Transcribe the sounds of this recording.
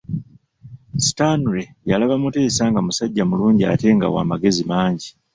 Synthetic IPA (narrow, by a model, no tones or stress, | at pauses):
si̥tanuɾejalaβamute̞ːsaːŋɡamusaɟːamuluːɲɟia̰te̞ŋɡa̰wa̰ːmaɡe̞zimaːɲɟi